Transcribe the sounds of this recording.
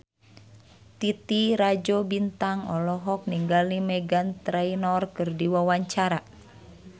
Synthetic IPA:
t̪it̪iɾad͡ʒobint̪aŋɔ̰lɔɦɔk̚niŋɡalnimɛɡant̪ɾɛinɔrkɨrdiwawaɲt͡ʃaɾa

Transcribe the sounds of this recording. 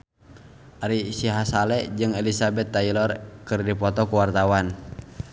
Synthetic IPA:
ʔaɾisiɦasalɛd͡ʒɨŋɛlisabɛt̪ːailɔrkɨrdipɔt̪ɔkuwart̪awan

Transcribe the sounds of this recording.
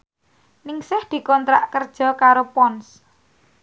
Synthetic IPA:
nɪŋsɪhd̪̥i̤kɔnt̪ɾaʔkərd̥ʒ̥ɔ̤kaɾopɔns

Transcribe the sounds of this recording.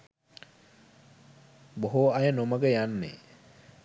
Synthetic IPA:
boɦuɐjənoməɡəjanːḛ

